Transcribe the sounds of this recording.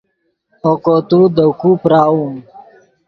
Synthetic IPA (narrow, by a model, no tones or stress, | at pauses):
oːkoːt̪uːd̪əkuːpɾaːũː